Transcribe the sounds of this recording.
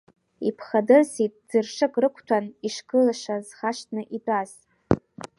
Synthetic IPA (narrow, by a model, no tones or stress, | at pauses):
ipʰχadɨrsitʼd͡zɨrʂɨkʼrɨkʷʰtʷʰaniʂkɨlaʃazχaʃtʰnɨʔidʼaz